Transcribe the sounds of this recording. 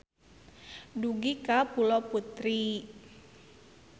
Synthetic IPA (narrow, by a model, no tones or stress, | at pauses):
duɡikapulɔput̪ɾi